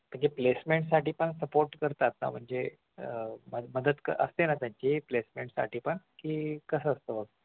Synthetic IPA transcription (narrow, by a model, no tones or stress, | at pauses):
m̤əɳd͡ʑeplesmeɳʈsaʈiːpəɳsəpoɾʈkəɾt̪at̪na̰m̤əɳd͡ze | məd̪məd̪əd̪kəʔə̰st̪enat̪jaɲt͡ɕiplesmeɳʈsa̰ʈiːpəɳkiːkəsəəst̪əbəɡ